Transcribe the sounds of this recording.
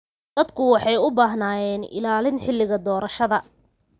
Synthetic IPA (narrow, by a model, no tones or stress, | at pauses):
d̪̥ɐd̪kʰʊwɑħɑjʊbaːɦnaːjɛːnʔɪ̰laːlɪnħɪlːɪɣɐd̪ɔːɾɐʃɐðɐ